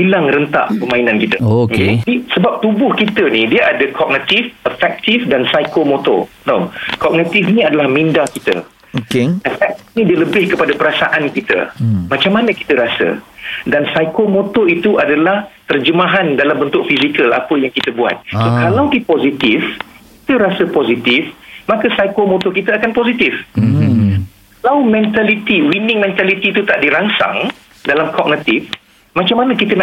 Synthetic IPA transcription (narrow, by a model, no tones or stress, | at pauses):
bilaŋrənt̪a̰ʔpəmainãnkit̪əokedisəbap̚t̪ubʊhkit̪ənidiəʔadəkʰɔk̚nit̪ifəfɛk̚t̪ifdansajkomot̪ɔ̰nokɔk̚nit̪ifnĩadalahmĩndakit̪ə̰ | okeəfɛk̚t̪ifnĩdiələbɪhkəpadapəɾasa̰ʔankit̪ə̰mat͡ʃamːanəki̥t̪əɾasə̰dansajkomot̪ɔit̪uʔadalaht̪ərd͡ʒəmaɦandalambənt̪ʊk̚fizikəla̰pəjaŋkit̪əbua̰t̪̚sokalawkipozit̪ifkit̪əɾasəpozit̪ifmãkəsajkomot̪ɔkit̪əakanpozit̪ɪf | kkalawmɛ̃nt̪alit̪iwinɪŋmɛ̃nt̪alit̪it̪ut̪aʔdiɾansa̰ŋ | dalamkɔk̚nət̪ɪf | mãt͡ʃamanə̃kit̪ən